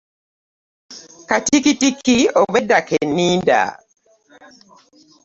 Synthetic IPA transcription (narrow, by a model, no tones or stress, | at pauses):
katikitikioβedakenːiːnda̰